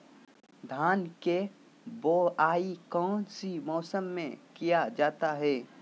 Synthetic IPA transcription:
d̪ʱaːnke | boːaːikɔ̃ːnsimɔːsəmːḛ̃kijad͡ʒaːt̪aɦɛː

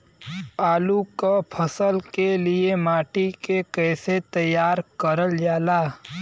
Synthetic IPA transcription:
aːlukapʰəsəlkeliemaːʈikekɛːset̪əjːaːɾkəɾəld͡ʒaːlaː

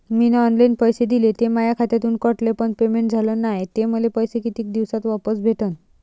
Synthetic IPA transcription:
mineɔnlajnpəjsed̪ilet̪emajakʰat̪at̪uːnkəʈlepəɳpemeɳʈ̚d͡zʱalənajt̪eməlepəjsekit̪iːk̚d̪iʋsat̪ʋapəsbʱeʈən

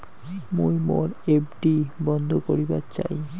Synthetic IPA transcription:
mojmoɾep̚ɖibɔnd̪ʱokoɾibatt͡ɕa̰j

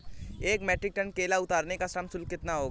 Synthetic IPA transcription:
eːkmɛːʈɾɪk̚ʈəɳkeːlaʊt̪aːɾnekasamsʊlkɪt̪naɦoːɡa

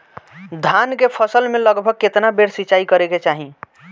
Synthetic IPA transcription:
d̪ʱankepʰəsəlmeləɡbʱəɡ̚ket̪nabeɽsit͡ʃaikəɾeket͡ʃaɦĩ

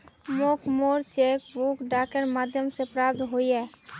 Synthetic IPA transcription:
moːkmoːɾt͡ʃeːkbukɖaːkəɾmaːd̪ʱjəmsepɾaːp̚t̪ɦoiɦɛː

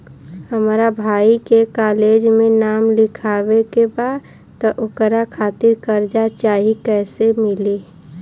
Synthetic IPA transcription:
həmɾabʱaːikekaːleːd͡ʒmẽnaːmlɪkʰaːwekebaːd̪ | t̪ɔʔokɾakʰaːt̪ɪɾkəɾd͡ʒat͡ʃaːɦikɛːsemɪli

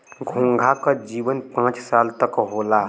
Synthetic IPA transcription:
ɡʱũːŋɡʱakad͡ʒiːʋənpãːt͡ʃsaːlt̪əkɦoːlaː

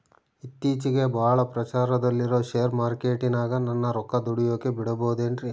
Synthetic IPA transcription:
it̪ːiːt͡ʃiɡe̞bʱaːɭɐpɾɐt͡ʃaːɾɐd̪ɐlːiɾo̞ːʃejɾmaːɾke̞ːʈinaːɡɐnɐnːɐɾɔkːɐd̪uɽijoːkebiɽɐboːd̪eɳɖɾi

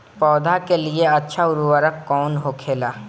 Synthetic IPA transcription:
pɔːd̪ʱakelieɐtːʃʰaʊɾuwəɾəkːɔːnɦokʰeːlaː

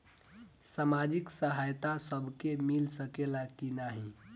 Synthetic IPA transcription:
samad͡ʒiksəɦajt̪asəbʱkemilsəkelakinaɦĩ

